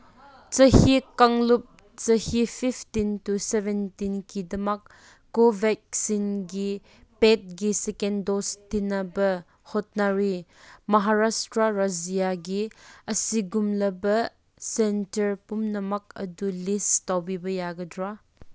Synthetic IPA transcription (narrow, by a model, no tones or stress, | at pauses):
t͡ʃɐhikaŋlup̚ | t͡ʃɐhipʰipʰtintuseventinkidɐmɐk̚ː | obʱɛk̚sinɡi | pet̚ɡisekendostinɐbɐ | hot̚naɾimɐɦaɾastɾaɾazijaɡiɐsiɡumlɐbɐ | sentɐɾpumnɐmɐk̚ɐ̰dulistawbibɐjaɡɐdɾa